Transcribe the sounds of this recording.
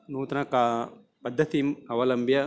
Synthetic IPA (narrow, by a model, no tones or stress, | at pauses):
nuːt̪ɐnɐkaː | pɐd̪ʱːɐt̪imɐʋɐlɐmbjɐ